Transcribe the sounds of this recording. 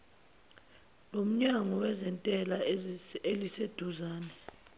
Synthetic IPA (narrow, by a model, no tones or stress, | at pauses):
lom̩ɲaŋɔwɛzɛntʼɛlaelised̥ʱuzaːnɛ